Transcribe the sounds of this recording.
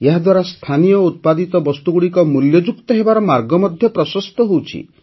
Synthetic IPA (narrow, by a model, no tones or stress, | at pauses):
eɦad̪waɾast̪ʰanijɔut̪̚pad̪it̪ɔbɔst̪uɡuɽikɔmuljɔd͡ʒuk̚t̪ɔɦebaɾɔmaɾɡɔmɔd̪ʱjɔpɾɔsɔst̪ɔɦowt͡ʃʰḭ